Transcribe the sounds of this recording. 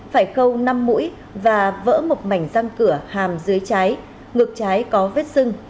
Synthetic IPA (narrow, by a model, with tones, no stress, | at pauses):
faː˧˩jxə˧wna˧mːṵ˧˥j | vaː˨˩və̰ː˧˥mo˨˩t̚ma˧˩jŋ̟za˧ŋkɨ˧˩əhaː˨˩mzɨ˨˦əjt͡ɕaː˨˦j | ŋɨ˨˩ək̚t͡ɕaː˨˦jkɔ˨˦ve˦˥t̚sɨ˧ŋ